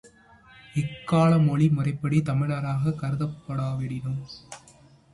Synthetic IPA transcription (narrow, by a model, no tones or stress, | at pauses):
ɪkːaːɭɐmɔɭimʊrɐɪpːɐɽit̪ɐmɪɻɐɾaːɣɐkɐɾɯðɐpːɐɽaːʋɛɽɪnɯm